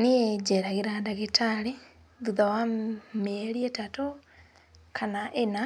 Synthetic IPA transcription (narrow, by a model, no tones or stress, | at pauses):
nied͡ʒeɾaɣiɾadaɣetale | ðuðawamelietato | kʰanaʔena